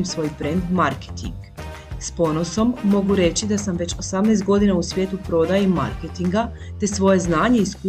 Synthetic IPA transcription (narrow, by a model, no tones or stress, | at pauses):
msʋo̞ːjpɾe̞nd̪maɾket̪ḭŋɡ | spo̞no̞so̞mːo̞ɡuɾe̞t͡ɕid̪asamʋe̞t͡ɕo̞samnɛːst̪̚ɡo̞d̪inausʋje̞ːt̪upɾo̞d̪ajemma̰ɾket̪iŋɡat̪e̞sʋo̞je̞znaːɲe̞iskː